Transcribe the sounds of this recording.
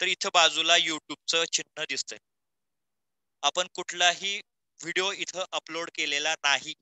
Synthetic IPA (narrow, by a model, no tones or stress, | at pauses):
t̪əɾit̪ʰəbad͡zulajuʈjub̚t͡sət͡ɕinːəd̪ist̪əj | apəɳkuʈʰlaɦiː | ʋiɽioit̪ʰəʔəploɽkelelanaɦi